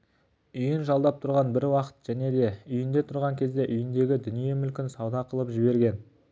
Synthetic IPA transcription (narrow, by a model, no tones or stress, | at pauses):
ʏjɪnʒɑlˠd̪ɑp̚t̪ʰʊɾʁɑnbɪɾwɑqə̥t̪ʒ̥æne̞d̪e̞ʏjɪnd̪e̞t̪ʰʊɾʁɑŋkʲʰe̞zd̪e̞ʔʏjɪnd̪e̞ɡʲɪd̪ʏnije̞mʏlkʲɪnsɑwd̪ɑqəlˠəpʒɪbe̞ɾɡʲe̞n